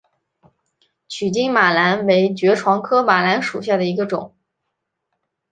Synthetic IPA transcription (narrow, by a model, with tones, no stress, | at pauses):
t͡ɕʰy˨˩t͡ɕi˥ŋma˨˩la˧˥nwe˧˥ɪt͡ɕɥɛ˧˥ʈ͡ʂʰwɑ˧˥ŋkʰɤ˥ma˨˩la˧˥nʂu˨˩ɕja˥˩d̪ə˩i˧˥ɡə˧ʈ͡ʂʊ˨˩˦ŋ